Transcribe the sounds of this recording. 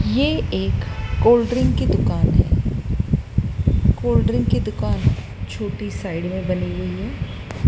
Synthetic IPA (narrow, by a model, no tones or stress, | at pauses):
jeeːkːoːlɖɾɪ̃ŋɡkid̪ʊkaːnɦɛ̰ː | koːlɖɾɪ̃ŋɡ̚kid̪ʊkaːn | t͡ʃʰoːʈisaːɪɖmẽbɐniɦʊiɦɛː